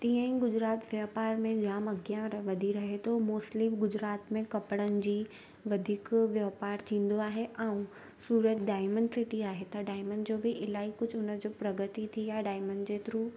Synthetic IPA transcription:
t̪ĩːə̃ɦĩɡʊd͡ʑɾaːt̪ʋjaːpaːɾmẽd͡ʑaːmɐɡijãʋɐd̪ʱiɾɐɦet̪ʰomoːslɪmɡʊd͡ʑɾaːt̪mẽkɐpɽənɪ̆d͡ʑiː | ʋɐd̪ʱiːkʋjɐːpaːɾt̪ʰĩːn̆d̪oaːɦeʔãːũ | suːɾət̪ɖaːɪmə̃ɳɖsɪʈiaːɦet̪ɐɖaːɪməɳd͡ʑoːbɪʔɪlaːikʊd͡ʑʱʊnəd͡ʑoːpɾɐɡət̪it̪ʰiaːɦɖaːɪməɳɖd͡ʑeːt̪ɪɾuː

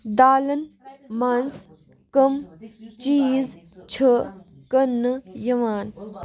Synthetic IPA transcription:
d̪aːlɐnmaːns | kɐmt͡ʃiːz | t͡ʃʰə | kɐnːɨjɐʋaːn

